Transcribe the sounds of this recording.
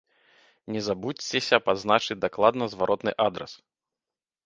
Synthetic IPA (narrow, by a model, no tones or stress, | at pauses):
nʲɛzabut͡sʲt͡sːʲesʲɐpad̪znat͡ʂɨd͡zʲd̪aklˠad̪nɐzvaɾʔɔt̪nɨʔad̪ɾɛ̰s